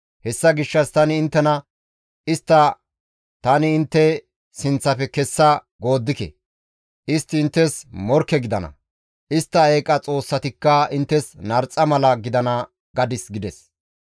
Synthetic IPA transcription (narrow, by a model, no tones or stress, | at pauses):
hɛsːɐɡɪʃːɐst̪ɐnɪːnt̪ːɛnɐ | ɪst̪ːɐ | t̪ɐnɪːnt̪ːɛ | sɪnt͡sːɐfɛkɛsːɐ | ɡo̞ːd̪ːɪkɛ̰ | ʔɪst̪ːɪːnt̪ːɛsmɔɾkːɛɡɪd̪ɐnɐ̰ | ʔɪst̪ːɐeːkʼɐt͡sʼo̞ːsːɐt̪ɪkːɐɪnt̪ːɛsnɐɾt͡sʼːɐmɐlɐɡɪd̪ɐnɐ | ɡ̥ɐd̪ɪsɡɪd̪ɛs